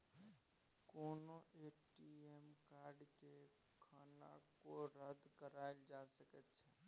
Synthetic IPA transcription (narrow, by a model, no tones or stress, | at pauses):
koːnoʔeːʈiemkaːɾɖke | kʰaːna̰koɾəd̪ʱkəɾaːɪld͡ʒaːsəkət̪t͡ʃʰɛː